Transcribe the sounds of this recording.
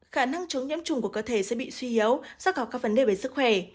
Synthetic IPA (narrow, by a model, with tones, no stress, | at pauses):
xaː˧˩na˧ŋt͡ɕə˨˦ŋ͡mɲɨ̰˧˥əmt͡ɕʊ˨˩ŋ͡mku˧˩əkəː˧˩t̪ʰe˧˩sɛ̰˧˥ɓḭ˧˨swi˧ʔi˨˦ə˦wza˦˥ɔ˨˩kaː˦˥k̚və˨˦nɗe˧˨˩ve˨˦sɨ˦˥kxwɛ˧˩